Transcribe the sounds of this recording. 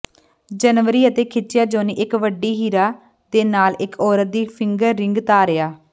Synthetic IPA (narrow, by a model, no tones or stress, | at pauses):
d͡ʒənʋəɾiːət̪eːkʰɪtːʃɪjaːd͡ʒoːniːʔɪkʋəɖiːɦiːɾaː | d̪eːnaːlɪkʰɔːɾət̪̚d̪iːpʰɪŋɡəɾːɪ̃ŋɡt̪aːɾɪaː